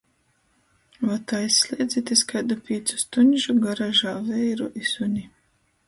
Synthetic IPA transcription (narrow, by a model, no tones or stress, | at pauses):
vat̪aisːlʲeːd̪zʲit̪ʲiskajd̪apʲiːt̪su̥st̪unʲʒuɡaɾaʒaːvɛjɾuʔisunʲi